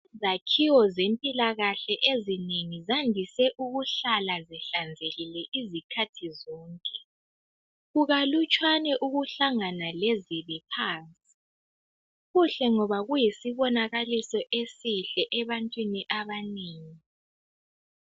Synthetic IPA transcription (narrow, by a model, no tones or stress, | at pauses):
izakʰiwɔzempʼilaɣaɬɛʔezineŋizandʱisɛʔuɣuɬalazɛɬand͡zʱeɣilɛʔizikʰatʰizɔːŋkʼɛ | ɣuɣalut͡ʃʼwanɛʔuɣuɬaŋanaleziβipʰaːnt͡sʼi̥ | ɣuɬɛŋɔβaɣujisiβɔnaɣalisɔʔesiɬɛʔɛβantʼwiniʔaβaneːŋi